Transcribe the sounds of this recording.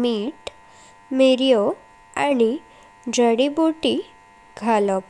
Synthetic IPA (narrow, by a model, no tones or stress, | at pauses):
miːʈ | meɾijo | ani | d͡zəɽibuʈi | ɡʱalɔp